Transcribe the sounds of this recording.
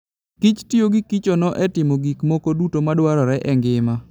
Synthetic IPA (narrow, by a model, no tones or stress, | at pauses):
kit͡ʃtioɡikit͡ʃɔnɔʔɛtɪmoɡikmokodutomadwaɾɔɾɛʔɛŋɡɪma